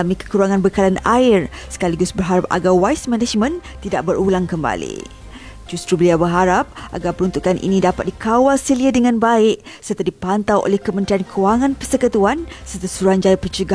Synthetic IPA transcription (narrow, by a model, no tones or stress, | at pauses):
amĩkə̥kuɾaŋãnbəkalana̰ɪrsə̥kaliɡʊsbərɦaɾap̚a̰ɡawaismɛ̃nad͡ʒmə̃nt̪idaʔ̚bəɾulaŋkəmba̰lḭ | d͡ʒust̪ɾubəliawbərɦaɾap̚ʔa̰ɡapəɾunt̪ukanʔḭnĩdapat̪̚dikawalsəliədəŋãnbaɪʔ | sərt̪adipant̪awʔo̰lɛhkəmənt̪ɾiankʰəwaŋãnpəsəkət̪uansərt̪asuɾuhand͡ʒaɾapət͡ʃəɡa